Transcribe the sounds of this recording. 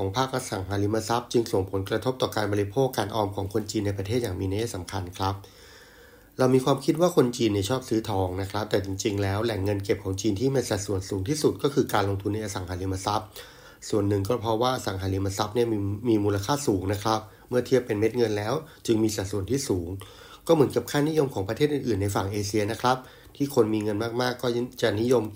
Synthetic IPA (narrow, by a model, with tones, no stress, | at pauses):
kʰɔː˩˦ŋpʰaː˥˩k̚ʔa˧sa˩ŋɦaː˩˦˥li˦˥ma˧sa˦˥p̚t͡ɕɯ˧ŋso˨˩ŋpʰo˩˦nkɾa˧t̪ʰo˦˥p̚t̪ɔː˨˩kaː˧nbɔː˧ɾi˦˥pʰoː˥˩kːaː˧nʔɔː˧mkʰɔː˩˦ŋkʰo˧nt͡ɕiː˧nːa˧jp̬ɾa˧t̪ʰeː˥˩t̪̚jaː˨˩miː˧na˧˥jaː˥˩sa˩˦mkʰa˧nkʰɾa˦˥p̚ | ɾa˧wmiː˧kʰwaː˧mkʰi˦˥t̪̚waː˥˩kʰo˧nt͡ɕiː˧nːi˥˩t͡ɕʰɔː˥˩p̚sɯː˦˥t̪ʰɔː˩˦ŋna˦˥kʰɾa˦˥p̚t̪ɛː˨˩t͡ɕi˧ŋt͡ɕi˧ŋlɛː˦˥wlɛ˨˩ŋːɤ˧nke˨˩p̚kʰɔː˩˦ŋt͡ɕiː˧nt̪ʰiː˥˩ma˧˩sa˨˩t̪̚su˨˩ənsuː˩˦ŋt̪ʰiː˥˩su˨˩t̪̚kɔː˥˩kʰɯː˧kaː˧nlo˧ŋt̪ʰu˧nːa˧jʔa˧sa˨˩˦ŋhaː˨˩˥li˦˥ma˧sa˦˥p̚ | su˨˩ənːɯ˨˩ŋkɔː˥˩pʰɾɔ˦˥waː˥˩ʔa˧sa˩˦ŋɦaː˩˦li˧ma˧sa˦˥p̚ni˥˩ɐ˧miː˧muː˧la˧kʰaː˥˩suː˩˦ŋna˦˥kʰɾa˦˥p̚ | mɯ˥˩ɐt̪ʰi˥˩əpːe˧nme˦˥t̪̚ŋɤ˧nlɛː˦˥wt͡ɕɯ˧ŋmiː˧sa˨˩t̪̚su˨˩ənt̪ʰiː˥˩suː˩˦ŋ | kɔː˥˩mɯ˩˦ənka˨˩p̚kʰaː˥˩ni˦˥jo˧mkʰɔː˩˦ŋpɾa˧t̪ʰeː˥˩t̪ʔɯː˨˩ʔɯː˨˩nːa˧jfaː˨˩ŋʔeː˧si˧ɐna˦˥kʰɾa˦˥p̚ | t̪ʰiː˥˩kʰo˧nmiː˧ŋɤ˧nmaː˥˩k̚maː˥˩kːɔː˥˩t͡ɕa˨˩ni˦˥jo˧m